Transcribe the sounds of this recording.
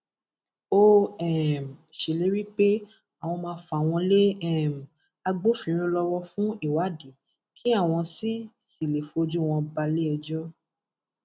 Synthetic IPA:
o˦ɛ˦˨m˨ʃe˨le˨˦ɾi˦k͡pe˦ | a˨w̃ɔ̃˧mãː˧˦fa˨w̃ɔ̃˧le˦ɛ˦˨m̩˨ | a˧ɡ͡bo˦fĩ˨˧˦ɾ̃ĩ˦lɔ˧wɔ˦fũ˦i˦˨wa˨˦de˨˦ | kʰi˦a˦˨w̃ɔ̃˧si˦ | si˨le˨fo˧d͡ʒũ˦˨w̃ɔ̃˧ba˧le˦ɛ˧d͡ʒɔ˦

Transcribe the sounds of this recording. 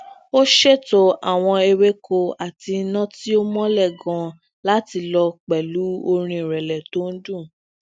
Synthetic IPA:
o˦ʃe˦˨to˧a˨w̃ɔ̃˧e˧ɾe˦kʰo˧a˨ti˧˦nã˦ti˦o˦mɔ̃˦lɛ˦˨ɡã˧ | la˦ti˧lɔ˧k͡pɛ˨lu˨˦o˧ɾ̃ĩ˧˨ɾɛ˨lɛ˨to˨˦n̩˦dũ˦˨

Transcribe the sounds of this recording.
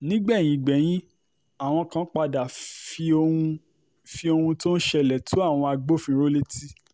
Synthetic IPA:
nĩ˦ɡ͡bɛ˦˨j̃ĩ˨ɡ͡bɛ˨˦j̃ĩ˦ | a˦˨w̃ɔ̃˧kã˦k͡pa˧da˨fi˧o˧hũ˧ | fi˧o˧hũ˧to˦n̩˦ʃɛ˦˨lɛ˨tu˨˦a˦˨w̃ɔ̃˧a˧ɡ͡bo˦fĩ˧˦ɾo˦le˦ti˦

